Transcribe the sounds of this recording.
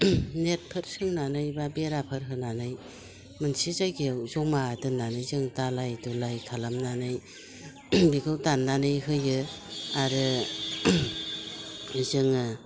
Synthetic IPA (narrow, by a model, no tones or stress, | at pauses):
net̚pʰɯɾsɯŋnanɯjbabeɾapʰɯɾɦɯnanɯj | mɯnsizajɡewzɔŋmadɯnːanɯjzɯŋtalajtulajkʰalamnanɯj | biɡɯwtanːanɯjɦɯjɯaɾɯ | zɯŋɯ